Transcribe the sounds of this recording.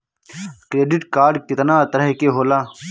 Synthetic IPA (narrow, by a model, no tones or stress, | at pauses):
kɾeːɖɪʈkaːɾɖkɪt̪nãːt̪əɾəɦkeːɦoːlaː